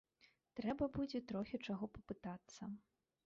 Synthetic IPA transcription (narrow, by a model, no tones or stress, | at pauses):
t̪ɾɛbɐbud͡zʲɛt̪ɾɔxʲɛt͡ʂaɣɔpɐpɨt̪at̪sːɐ